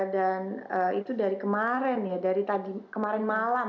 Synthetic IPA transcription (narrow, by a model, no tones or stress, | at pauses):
danəit̪udaɾikəmaɾɛnjadaɾit̪adikəmaɾɛnmala